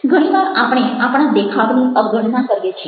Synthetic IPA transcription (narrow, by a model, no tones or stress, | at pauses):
ɡʱəɽ̃iʋaɾapɽ̃eapɽ̃ãd̪ekʰaʋniʔəbɡʱəɽnãkəɾjet͡ʃʰe